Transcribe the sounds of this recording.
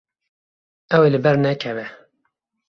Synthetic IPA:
ɛwelɨbɛɾnɛkʰɛvɛ

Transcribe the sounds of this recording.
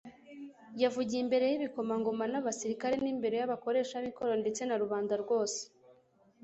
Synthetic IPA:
javuɟiimbe̞ɾe̞jiβiko̞maŋɡo̞manaβasiɾikaɾe̞niːmbe̞ɾo̞jaβako̞ɾe̞ʃamikoɾonde̞t͡se̞naɾuβaːndaɾɡwo̞ːse̥

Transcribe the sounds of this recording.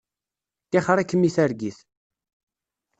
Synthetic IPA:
kæχəɾˤækːəmːiθæɾɡiθ

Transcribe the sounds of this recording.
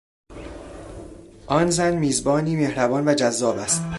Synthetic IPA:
ʔɒːnzænmiːzbɒːniːmehɾæbɒːnvæd͡ʒæzːɒːbæst̪

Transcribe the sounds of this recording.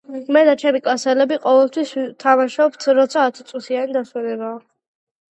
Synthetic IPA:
mɛd̪at͡ʃʰɛmikʼasɛlɛbiqʼɔvɛlˠt̪ʰwist̪ʰamaʃɔpt̪ʰɾɔt̪sʰaːt̪ʰit̪sʼut̪ʰianid̪aswɛnɛbaː

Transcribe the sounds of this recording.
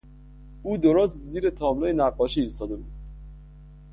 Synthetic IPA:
uːd̪oɾost̪ziːɾet̪ʰɔːmlɔːjenæqːɔʃiːst̪ɒːd̪ebud̪̥

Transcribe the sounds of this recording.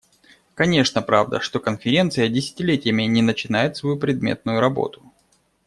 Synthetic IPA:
kɐnʲe̞ʂnəpɾa̰vd̪ə̰ʂt̪o̞kənfʲɪɾʲe̞nt̪sɨjədʲɪsʲɪ̥tʲɪlʲetʲɪjəmʲɪnʲɪnət͡ɕɪnajɪt̪svɐjupɾʲɪd̪̚mʲḛt̪̚nʊjʊɾɐbo̞̰t̪ʊ̥

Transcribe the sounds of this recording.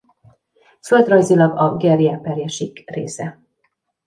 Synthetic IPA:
føld̪rɒjzilɒɡɒɡɛriaːpɛrjɛʃikrḛːsɛ

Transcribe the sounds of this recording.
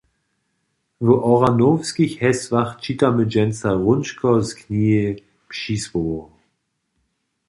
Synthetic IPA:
vəʔɔʁanofskɪçhɛsv̥aχt͡ʃitaməd͡ʒɛnt͡saʁʊnʃkʰɔskʰniːə | pʃisvoː

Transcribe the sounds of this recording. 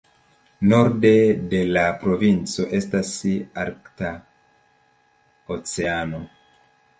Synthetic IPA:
no̞ɾde̞de̞lapɾo̞vint͡so̞ʔe̞stasaɾkta | ot͡se̞ano̞

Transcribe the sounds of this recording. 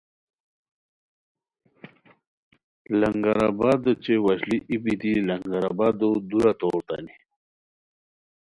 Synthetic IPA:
lɐŋɡaɾabad̪ət͡ɕewaɕliʔipit̪ilɐŋɡaɾabad̪od̪uɾat̪oːɾt̪a̰ni

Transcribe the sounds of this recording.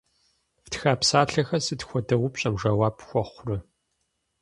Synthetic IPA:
ftxaːpsaːɬɐxɐsɨtxʷɔdɐwʷʊpɕʼɐmʒɐwaːpxʷɔχʷrɨ

